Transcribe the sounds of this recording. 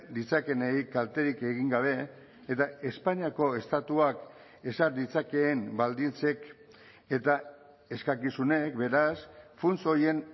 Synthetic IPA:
d̪it͡sake̞nejkalt̪e̞ɾike̞ɣ̞iŋɡaβe̞ː | t̪ae̞spaɲiako̞e̞st̪at̪uak | e̞saɾd̪it͡sake̞ːmbald̪int͡se̞k | e̞t̪a | e̞skakisune̞kbe̞ɾasfunt͡soje̞n

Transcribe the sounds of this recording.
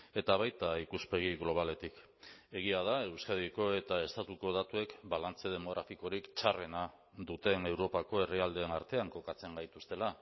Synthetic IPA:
e̞t̪aβ̞ajt̪aikuspe̞ɣ̞iɣlo̞β̞ale̞t̪ik | e̞ɣ̞iaðae̞wskaðiko̞e̞t̪ae̞st̪at̪uko̞ð̞at̪ue̞kbalant͡se̞ð̞e̞mo̞ɣ̞ɾafiko̞ɾikt͡ʃare̞na | ðut̪e̞ne̞wɾo̞pako̞e̞riald̪e̞ːnaɾt̪e̞aŋko̞kat͡se̞ŋɡajt̪ust̪e̞la

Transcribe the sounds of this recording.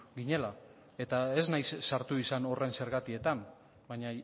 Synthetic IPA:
ɡiɲe̞la | e̞t̪ae̞znajsːaɾt̪uisano̞re̞nse̞ɾɣat̪ie̞t̪an | bajɲa

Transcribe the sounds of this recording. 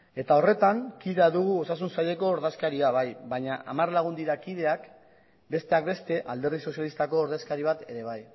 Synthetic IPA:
e̞t̪ao̞re̞t̪aŋkiðe̞aðuɣuo̞sasunsaʎe̞ko̞ːɾðeskaɾiaβ̞ajβaɲaʔamarlaɣ̞und̪iɾakið̞e̞ak | be̞st̪e̞akbe̞st̪e̞ʔald̪e̞ɾðiso̞sjalist̪ako̞ːɾðe̞skaɾiβ̞at̪e̞ɾe̞β̞aj

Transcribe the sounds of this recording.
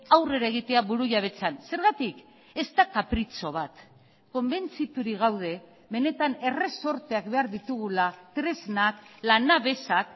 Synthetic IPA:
awre̞ɾaeɣ̞it̪e̞aβuɾuʝaβ̞e̞t͡sanse̞ɾɣat̪ik | e̞st̪akapɾit͡so̞β̞at̪ | ko̞mbe̞nt͡sit̪uɾiɣ̞awð̞e̞ | βe̞ne̞t̪ane̞re̞so̞ɾt̪e̞ak̚be̞aɾðit̪uɣ̞ulat̪ɾe̞znak̚lanaβe̞sak

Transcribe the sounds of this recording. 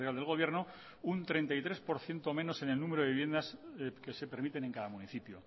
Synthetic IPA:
eɾald̪elɣ̞o̞β̞je̞ɾno | unt̪ɾe̞nt̪ajt̪ɾe̞spo̞ɾθje̞nt̪omeno̞se̞ne̞lnũmeɾoiβje̞nd̪aske̞se̞pe̞ɾmit̪e̞ne̞ŋkaðamuniθipjo̰

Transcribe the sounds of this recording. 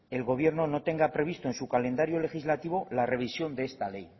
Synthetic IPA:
e̞lɣo̞β̞je̞ɾno̞not̪e̞ŋɡapɾe̞βist̪oe̞nsukale̞nd̪aɾjole̞xizlat̪iβ̞o̞lare̞β̞isjo̞nd̪eest̪ale̞j

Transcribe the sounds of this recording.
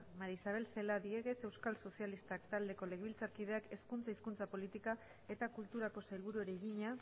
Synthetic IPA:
maɾisaβ̞e̞lse̞laðieɣe̞se̞wskalso̞sialist̪akt̪ald̪e̞ko̞le̞ɣeβilt͡saɾkið̞e̞ake̞skunt͡saiskunt͡sapo̞lit̪ika | e̞t̪akult̪uɾako̞sajlβuɾueɾeɣiɲa

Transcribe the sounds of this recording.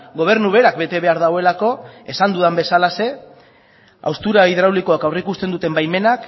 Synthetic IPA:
ɡo̞β̞e̞ɾnuβe̞ɾakbe̞t̪e̞βe̞aɾðaɣoe̞lako̞e̞sand̪uðambe̞salase̞ | a̰wst̪uɾaiðɾawliko̞akawrikust̪e̞nd̪ut̪e̞mbajme̞nak

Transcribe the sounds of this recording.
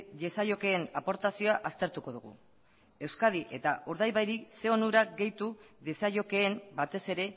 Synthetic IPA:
ðesaʎo̞ke̞ːnapo̞ɾt̪asio̞aʔast̪e̞ɾt̪uko̞ð̞uɣ̞ṵ | e̞wskað̞iʔe̞t̪aʔuɾðajβajɾikse̞o̞nuɾaɡe̞jt̪uðesajʎo̞ke̞ːmbat̪e̞se̞ɾe̞

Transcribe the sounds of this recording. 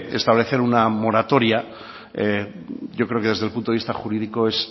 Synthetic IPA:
e̞̰st̪aβle̞θe̞ɾunamo̞ɾat̪o̞ɾja | e | ɟ͡ʝo̞kɾe̞oke̞ðe̞zðelpunt̪oist̪axuɾiðiko̞e̞s

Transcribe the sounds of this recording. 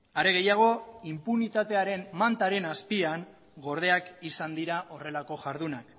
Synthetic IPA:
aɾe̞ɣ̞e̞jaɣ̞o̞impunit̪at̪e̞aɾe̞mmant̪aɾe̞naspiaŋ | ɡo̞ɾð̞e̞akisand̪iɾaʔo̞re̞lako̞ʝaɾðunak

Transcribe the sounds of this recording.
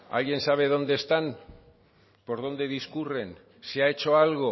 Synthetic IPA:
a̰je̞nsaβ̞e̞ðo̞nd̪e̞st̪an | poɾð̞o̞nd̪e̞ðiskure̞n | se̞aet͡ʃo̞alɣ̞o̞

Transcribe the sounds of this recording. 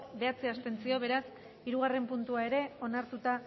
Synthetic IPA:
be̞at͡se̞ast̪e̞nsio̞β̞e̞ɾas | iɾuɣ̞are̞mpunt̪uae̞ɾe̞o̞naɾt̪ut̪a

